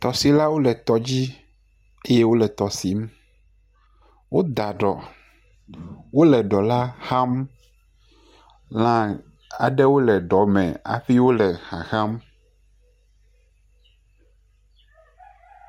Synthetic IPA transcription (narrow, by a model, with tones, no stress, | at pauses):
t̪ɔ˨si˨la˦wo˦lɛ˨t̪ɔ˨d͡ʑi˦ | e˦je˦wo˦lɛ˨t̪ɔ˨si˨˦m | wo˦d̪a˨ɖɔ˨ | wo˦lɛ˨ɖɔ˨la˦xã˦m | lã˨ | a̰˨ɖɛ˦wo˦lɛ˨ɖɔ˨mɛ̰̃˨a̰˨ɸi˦wo˦lɛ˨xa̰˨xã˦m